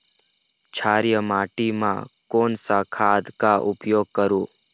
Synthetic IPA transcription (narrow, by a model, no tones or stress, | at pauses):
t͡ʃʰaːɾjəmaːʈimã̰koːnsakʰad̪kaʔʊpjoːɡ̚kəɾũː